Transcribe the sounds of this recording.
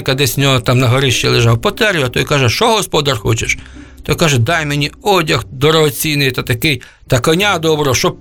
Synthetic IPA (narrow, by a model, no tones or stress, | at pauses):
kɐd̪ɛsʲnʲɔɦɔt̪ɑmnɐɦɐɾɪʃt͡ʃilˠeʒɑwpɔt̪ɛɾʲʊɐt̪ɔjkɑʒɛʃt͡ʃɔɦɔspɔd̪ɐrxɔ̰t͡ʃeʃt̪ɔjkɑʒɛd̪ɑjmenʲiɔdʲɐxd̪ɔɾɔɦɔt͡sʲinɪjt̪at̪ɐkɪj | t̪ɐkɔnʲad̪ɔbɾɔɦɔʃɔ